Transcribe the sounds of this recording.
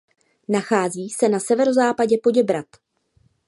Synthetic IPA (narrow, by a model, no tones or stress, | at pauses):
naxaːziːsɛnasɛvɛɾo̞zaːpaɟɛpoɟɛbɾat̪